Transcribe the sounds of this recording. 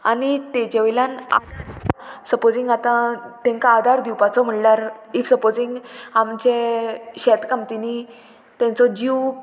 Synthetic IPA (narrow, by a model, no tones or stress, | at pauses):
a̰nit̪ẽd͡ʑeʋilãna̰ | səpod͡ziŋɡat̪ãt̪ɛ̃ŋkaːd̪ʱaɾd̪iwpat͡sɔm̤əɽlaɾifsəpod͡zĩŋɡamt͡ɕeɕɛt̪kamt̪ini | t̪ɛ̃nt͡sɔd͡ʑiʋ